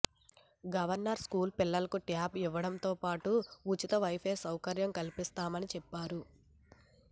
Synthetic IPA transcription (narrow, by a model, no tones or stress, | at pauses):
ɡɐʋɐɾnɐɾskuːlpilːɐlɐkuʈjaːbiʋːɐɽɐmt̪oːpaːʈuːt͡ʃit̪ɐʋɐjpʰeːsɐwkɐɾjɐmkɐlipist̪aːmɐnit͡ʃɛpːaːɾu